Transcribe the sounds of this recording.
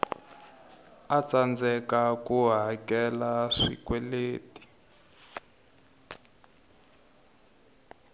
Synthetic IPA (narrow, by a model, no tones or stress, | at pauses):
at͡sand͡zɛkakuɦakɛlaʂḭkwɛleːti̥